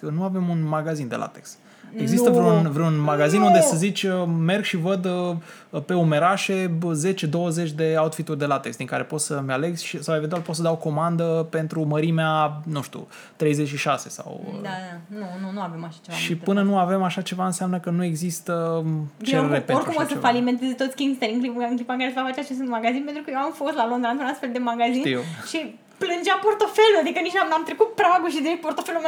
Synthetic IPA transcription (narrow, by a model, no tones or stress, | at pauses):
ənuave̞munmaɡazind̪e̞la̰t̪ekst̪ | e̞ɡzist̪əvɾunvɾeunmaɡazinund̪esəzit͡ʃʲəme̞rɡʃivəd̪ | pe̞ume̞ɾaʃe̞ze̞t͡ʃed̪o̞wəzet͡ʃʲd̪e̞aut̪fit̪urʲd̪e̞lat̪ekst̪d̪iŋkaɾe̞po̞t̪səmʲale̞ɡʃisawevent̪ualpot̪səd̪awko̞mand̪əpe̞nt̪ɾuməɾimeanuʃt̪ṵ | t̪ɾe̞jzet͡ʃʃiʃase̞sa̰w̰d̪nununuave̞maʃat͡ʃe̞vaʃippɨnənuave̞maʃat͡ʃe̞vaɨnseamnəkənue̞ɡzist̪ət͡ʃeɾeɾeeorkɾumosəfalime̞nt̪ezet̪o̞t̪sʲkʲiŋst̪eɾʲiŋklipɨŋklipaŋkaɾesvafat͡ʃeat͡ʃesɨnmaɡazinpent̪ɾukəjewamfo̞st̪lalond̪ɾant̪unast̪fe̞ld̪e̞maɡazinʃi | plɨnd͡ʒapo̞rt̪o̞feluad̪ikənit͡ʃanamt̪ɾekut̪̚pɾaaɡuʃ̬izd̪ɾepo̞rt̪o̞felume